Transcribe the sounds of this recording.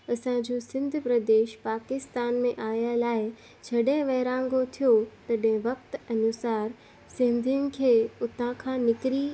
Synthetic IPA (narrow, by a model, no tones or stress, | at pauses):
ɐsãd͡ʑoːsɪ̃nd̪ʱpɾɐd̪eːʃpaːkɪst̪aːnmẽʔaːjalaːɪ | t͡ɕʰɐɗẽʋɐɦɪɾãːŋɡot̪ʰijot̪ɐɗɦɪ̃ʋɐk̚t̪ɐnʊsaːɾ | sɪ̃nd̪ʱijʊnɪ̆kʰeːʊt̪ãkʰãːnɪkɾi